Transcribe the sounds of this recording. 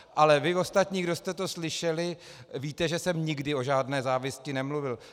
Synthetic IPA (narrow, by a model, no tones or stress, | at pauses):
ʔalɛvɪo̞st̪at̪ɲiːɡdost̪ɛt̪o̞slɪʃɛlɪviːt̪ɛʒɛsɛmɲɪɡdɪo̞ʒaːdnɛːzaːvɪscɪnɛmluvɪl